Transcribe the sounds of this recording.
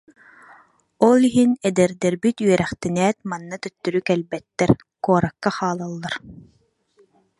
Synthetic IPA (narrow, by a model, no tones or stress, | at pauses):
ɔlˠiɦinɛd̪ɛɾd̪ɛɾbit̪yœɾɛχt̪ɛnɛːt̪̚manːat̪œt̪ːyɾykɛlbɛt̪ːɛɾ | kuɔɾakːaχaːlˠalˠːaɾ